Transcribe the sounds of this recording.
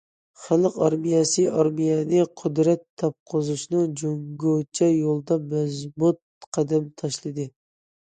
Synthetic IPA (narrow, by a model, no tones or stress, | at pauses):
χælˠqɑɾmijɑsɨɑɾmijɛnɪqʰʊd̪ɾɛt̪ʰːɑp̚qʰozuʃnɨd͡ʒoŋɡot͡ʃʰɛjolˠd̪ɑmɛzbut̪̚ | qʰæd̪ɛmt̪ʰɑʃlˠɨd̪ɨ